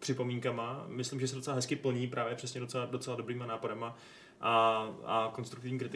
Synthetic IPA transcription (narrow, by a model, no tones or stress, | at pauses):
pr̥ɪpo̞miːŋkamamɪslimʒɛs̬ɛdot͡sɛlaɦɛskɪpl̩ɲiːpɾaːvjɛpr̝ɛsɲɛdot͡sɛladot͡sɛladobɾiːmanaːpoɾɛma | ʔaako̞nst̪ɾukt̪ɪvɲiːkɾɪt̪ɪ